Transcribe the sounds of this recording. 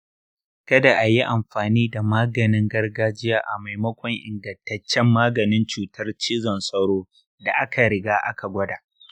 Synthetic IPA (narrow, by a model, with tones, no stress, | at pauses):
kɐ˦da˨ʔa˨ji˦ʔa˨mɸaː˨niː˦da˨maː˦ɡɐ˨nɪ˦ŋɡɐ˦rɡaː˦d͡ʒɪ˦jaː˦ʔa˨ma˨jmɐ˦kʷɔ˦ŋʔɪ˨ŋɡɐ˨ntɐ˦t͡ʃːɛ˦mːaː˦ɡɐ˨nɪ˦nt͡ʃuː˨tʰɐ˦rt͡ʃiː˦zɔ˨nsʼɐ˦ɾoː˦ | da˨ʔa˦kʰa˨ɾɪ˨ɡaː˦ʔa̰˦ka˨ɡʷɐ˦daː˨ʔ